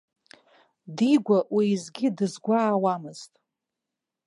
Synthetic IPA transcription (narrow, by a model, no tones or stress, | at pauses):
diɡʷaʔwiːzɡʲɪdɨzɡʷaːwamɨz̥tʼ